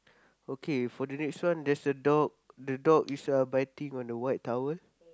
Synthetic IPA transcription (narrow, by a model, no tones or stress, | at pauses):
okʰefɔdənɛkswãndɛsdədɔk̚dədɔk̚jusuabajtĩŋɔ̃ndəwajt̚tːawəl